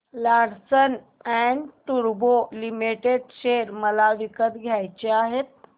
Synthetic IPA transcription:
laɽsən | ɛɳɖʈuɾbolimiʈeɖɕeɾməlaʋikət̪ɡʱjajt͡ɕeaɦet̪̚

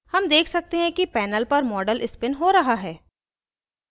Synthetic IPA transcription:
hɐmd̪eːkʰsɐk̚t̪eɦɛ̃kipɛːnəlpɐɾmɔːɖəlɪspɪnɦoɾɐɦaɦɛː

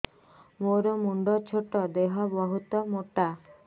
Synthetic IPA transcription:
moɾɔmuɳɖɔt͡ʃʰoʈɔd̪eɦɔbɔɦut̪ɔmoʈa

